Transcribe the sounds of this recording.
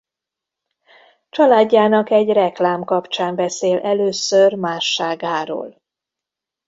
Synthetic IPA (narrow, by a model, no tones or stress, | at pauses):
t͡ʃɒlaːɟːaːnɒkɛɟrɛklaːmkɒpt͡ʃaːmbɛseːlʔɛløːsørmaːʃːaːɡaːɾo̰ːl